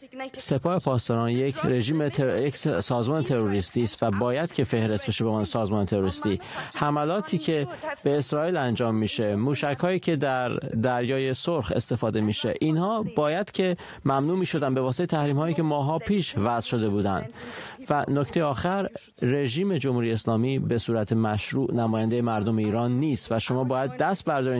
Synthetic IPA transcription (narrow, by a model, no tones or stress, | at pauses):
se̞pʰɒːhe̞pʰɒːst̪ɒːɾɒːnjecʰɾe̞ʒiːmejeksɒːzmɒːnet̪ʰe̞ɾoɾiːst̪iːst̪væbɒːjæd̪̥cʰe̞fe̞hɾe̞st̪be̞ʃe̞bemɒːnesɒːzmɒːnet̪ʰe̞ɾoɾist̪iːhæmælɒːt̪ʰiːcʰe̞b̥e̞ːsɾɒːiːlænd͡ʒɒːmːiːʃe̞muːʃæchɒːiːcʰe̞d̪æɾd̪æɾjɒːje̞soɾxe̞̰st̪e̞fɒːd̪e̞miːʃe̞̰ʔinhɒːb̥ɒːjæd̪̥cʰe̞ | mæmnuːmiːʃo̞d̪ænbe̞vɒːseet̪ʰæhɾiːmhɒːjiːce̞mɒːɦɒːpʰiːʃvæzʃo̞d̪e̞buːd̪æ̰nd̪̥ | vænocʰt̪e̞jeɒːxæɾː | e̞ʒiːme̞d͡ʒomhuːɾijeːslɒːmiːbe̞suːɾæt̪ʰemæʃɾuːʔnæmɒːjænd̪ejemæɾd̪omeiːɾɒːnːiːst̪væʃo̞mɒːbɒːjæd̪̚ːæst̪̚bæɾd̪ɒːɾi